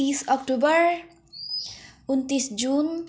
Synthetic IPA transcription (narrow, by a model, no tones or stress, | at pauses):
isɔk̚tobər | unt̪isd͡ʒun